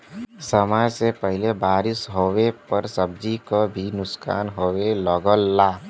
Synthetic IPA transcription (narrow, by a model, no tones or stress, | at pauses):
səmaːd͡ʒsepəɦɪlebaːɾɪsɦowepəɾsəbd͡ʒikobʱinʊska̰ːnɦoːwelɔɡəlːaː